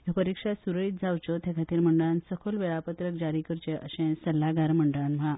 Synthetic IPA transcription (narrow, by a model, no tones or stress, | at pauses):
jopəɾikʂasuɾəɭiːt̪̚d͡zawt͡ɕɔt̪ʰɛ̃kʰat̪iːɾməɳɖəɭansəkʰolʋeɭapət̪ɾək̚d͡ʑaɾikəɾt͡ɕeʔəɕeɛ̃səlːaɡaɾməɳɖəɭanʋ̤ã